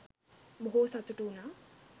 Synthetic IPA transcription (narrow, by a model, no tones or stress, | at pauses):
boɦosat̪uʈuːnaː